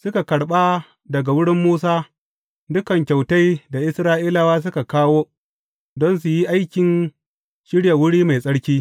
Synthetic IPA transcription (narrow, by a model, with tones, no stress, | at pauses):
sʊ˦ka˨kɐ˨ɽɓaː˦ | dɐ˨ɡa˨wʊ˦ɽɪ˦mːuː˦saː˦ | dʊ˦kɐ˨ŋkʲa˨wta˦jda˨ʔɪ˦sɾaː˦ʔiː˦la˨waː˦s̬ʊ˦ka˨kaː˦woː˦ | dɔ˦ns̬u˨ji˦ʔa˦jkʲɪ˨n | ʃɪ˦ɽja˨wʊ˦ɽiː˦ma˨jsʼɐ˦ɽkʲiː˦